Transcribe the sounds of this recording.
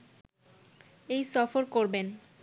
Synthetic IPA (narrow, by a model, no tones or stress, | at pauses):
ejsɔfoɾkoɾben